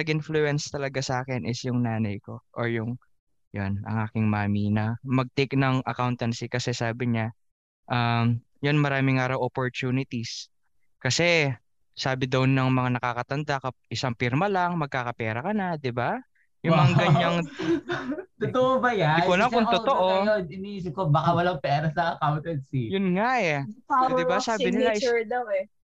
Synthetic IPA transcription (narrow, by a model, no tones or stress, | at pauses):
ɐɡɪnfluɛnst̪ɐlɐɡasaːkɪnʔɪsjʊŋnaːnɐjko̞ʔoɹjʊŋ | jonʔɐ̰ŋʔaːkɪŋmaːminɐmɐɡ̚t̪ejknɐŋʔɐ̰kawnt̪ɐnsikɐsɛsaːbɪɲa | ʔam | jonmɐɾaːmɪŋaːɾɐwʔopoɹt̪uːnɪt̪is | kɐsɛ | saːbɪd̪ɐwnɐŋmɐŋanɐkaːkɐt̪ɐnd̪akɐʔɪsaŋpiɾmɐlɐŋmɐɡ̚kaːkɐpɛːɾɐkɐnad̪ɪba | jʊŋmɐaɡɐɲaŋ | t̪ʊt̪oʔobɐjaɪwɐlaŋʊŋʊt̪oʔojonɪniiːs̬ɪp̚kobaːkawɐlaŋpɛːɾɐsɐɐkawnt̪ɐnsijʊnŋaʔɛd̪ɪbasaːbɪnɪlad̪ɐwɛ